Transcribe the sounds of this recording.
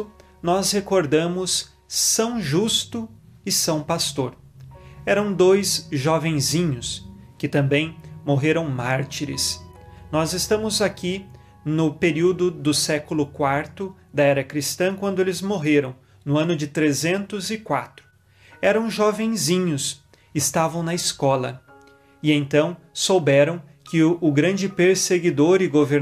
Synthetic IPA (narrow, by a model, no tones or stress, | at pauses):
ʊ | nɔshekoɾd̪ɐ̃mʊsː | ɐ̃w̃ʒust̪ʊ | ɪsɐ̃w̃past̪oɾ | ɛɾɐ̃w̃d̪ojzʒɔvẽj̃zĩɲʊskɪt̪ɐ̃mbẽj̃moɦeɾɐ̃w̃maɾt͡ʃiɾɪ̰snɔzɪst̪ɐ̃mʊzaki | nʊpeɾiwd̪ʊd̪ʊsɛkʊlʊkwaɾt̪ʊ | d̪ɐɛɾɐkɾist̪ɐ̃kwɐ̃nd̪ʊelɪzmoɦeɾɐ̃w̃ | nʊɐ̃nʊd͡ʒɪt̪ɾezẽnt̪ʊzɪkwat̪ɾʊ̥ | ɛɾɐ̃w̃ʒɔvẽj̃zĩɲʊs | ɪst̪avɐ̃w̃nɐɪskɔlɐ̰ | ɪẽñt̪ɐ̃w̃ | sowbɛɾɐ̃w̃ | kɪʊɡɾɐ̃nd͡ʒɪpeɾseɡid̪oɾɪɡoveɾ